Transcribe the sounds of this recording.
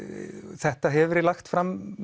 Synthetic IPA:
θɛht̪aɦɛvʏɾɛlaxt̪fɾamː

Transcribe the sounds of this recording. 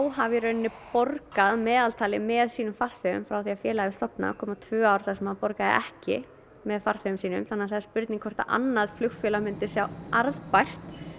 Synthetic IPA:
awɦavɪɾœnːɪpɔɾkaðmɛːðalt̪ʰaːlɪmɛðsiːnʏmfar̥fʏʏ̰mfɾawθiafjɛːlaɪst̪ɔpna̰kʰɔːmat̪ʰvʏːawɾθasɛmhaðpɔɾkaðɪ̰ʔɛhcɪ̰ | mɛðfar̥fɛʏmsiːnʏ̰mθanːaθɛspʏɾt̪niŋkʰɔr̥t̪a̰ʔa̰nːaðflʏxfjɛlamɪnt̪ɪsjawaɾðpajr̥t̪

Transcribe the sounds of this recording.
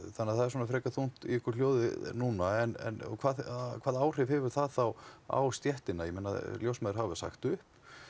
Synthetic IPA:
θanːaðθaðɛɾs̬ɔnafɾɛːkaθun̥t̪ḭʏhkʏɾl̥joːwðɪnuːnaɛnɛ̰nɔ̰kʰvaːðkʰvaːðaːwr̥ɪvɦɛvʏɾ̥θaðθawa̰wst̪jɛht̪ɪnajɛmeːna̰ðljowsmɛːðɾɦavʏsa̰xt̪ʏhp

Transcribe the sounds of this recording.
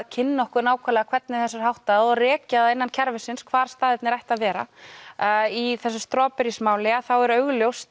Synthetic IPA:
cʰɪnːɔhkʏɾnaːwkʰɛlɛɣakʰvɛt̪̚nɪθɛsaɾ̥hawht̪aɔrɛːcaðaðɪnːancʰɛɾvɪsɪnskʰvaːɾ̥st̪aːðɪt̪nɪɾajht̪aðvɛːɾa̰ | iθɛsːast̪ɾɔːpɛɾismaːwlɪaθawɛɾœɣljowst̪

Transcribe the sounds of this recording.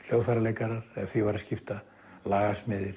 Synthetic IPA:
l̥jowðfaɾalejkaɾaɾ̥ɛθivaɾascɪft̪a | laːɣasmɪðɪɾ̥

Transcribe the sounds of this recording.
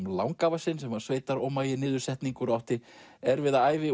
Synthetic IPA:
la̰wŋkavasɪnːsɛmvaɾ̥sveːjt̪aɾɔwmaːjɪnɪːðʏɾsɛht̪niŋkʏɾawht̪ɪ | ɛɾvɪðaaːjvɪ

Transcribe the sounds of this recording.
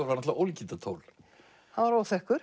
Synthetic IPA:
ɾvaɾnat̪vaowlcint̪at̪ʰo̰ːwl | haðvaɾowθɛhkʏɾ̥

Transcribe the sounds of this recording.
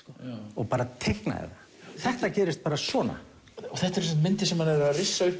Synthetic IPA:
kɔɔɣpaːɾat̪ʰejhkna̰ɛ̰ða | θɛht̪acɛːɾɪst̪̚paːɾasvɔːna̰ | ɔθɛht̪ɛɾsnt̪mɪnt̪ɪsɛmhanɛɾɾarɪsːaʏhp

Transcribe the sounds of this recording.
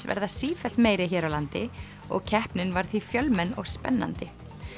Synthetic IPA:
svɛ̰ɾðasiːfɛl̥t̪meːjɾɪçɛːɾawlant̪ɪ | ɔ̰ɣcʰɛhpnɪnvaɾ̥θvifjœlmɛnːɔɣspɛnːa̰nt̪ɪ

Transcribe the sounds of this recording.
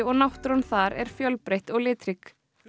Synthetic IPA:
ɔɣnawht̪ɾɔnθaɾɛ̰ɾ̥fjœlpɾejht̪ɔɣlɪːt̪ɾik

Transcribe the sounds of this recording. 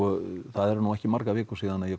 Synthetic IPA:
ɔθaðɛɾnuːɛhcɪmaɾkavɛːkʏsiːðanaðjɛ

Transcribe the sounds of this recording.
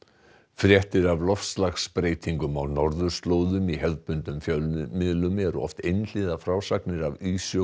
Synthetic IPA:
fɾjɛht̪ɪɾavlɔfslaxspɾeːjt̪ʰiŋkʏmawnɔɾðʏ̥st̪loːwðʏmiɦɛðpʏnt̪ʏmfjœmɪðlʏmɛɾʏ̰ɔ̰ft̪ejnl̥ɪðafɾawsaknɪɾavyːs

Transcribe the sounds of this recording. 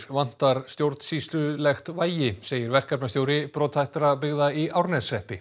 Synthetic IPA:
ɾvan̥t̪aɾ̥st̪jowɾt̪n̥sist̪lʏlɛxt̪vaːjɪseːjɪɾvɛr̥kapnast̪jowɾɪpɾɔːt̪hajht̪ɾapɪɣðaiʔawɾnɛsɛhpɪ

